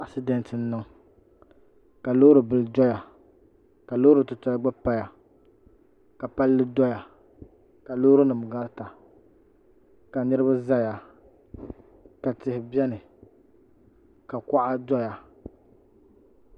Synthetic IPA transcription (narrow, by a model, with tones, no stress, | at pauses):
a˦˨sɪ˦dɛ˨ntɨ˨n̩˦nɨ˦ŋ | ka˨lo˦ɾɨ˨bɨ˨ldɔ˦ja˨ | ka˨lo˦ɾɨ˨tʊ˨tɔ˦ɡ͡ba˦pa˦ja˨ | ka˨pa˦lːɨ˦dɔ˦ja˨ | ka˨lo˦ɾɨ˦nɨ˨m˨ɡa˦ɾta˨ | ka˨nɨ˦ɾɨ˦ba˦za˦ja˨ | ka˨tɪ˨hɪ˨bɛ˦nɨ˨ | ka˨ka˦ʔa˦dɔ˦ja˨